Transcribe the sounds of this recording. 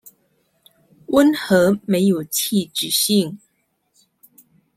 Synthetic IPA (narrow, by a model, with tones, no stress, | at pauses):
wə˦nxɤ˧˥me˧˥ɪjo˨˩ʊt͡ɕʰi˥˩ʈ͡ʂɻ̩˨˩ɕi˥˩ŋ